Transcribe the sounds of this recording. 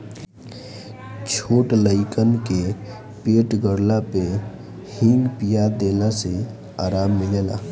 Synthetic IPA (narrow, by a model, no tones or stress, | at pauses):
t͡ʃʰoːʈləɪkənke | peːʈɡəɽlape | hɪ̃ŋɡpijad̪eːlase | aːɾaːmːɪleːla̰ː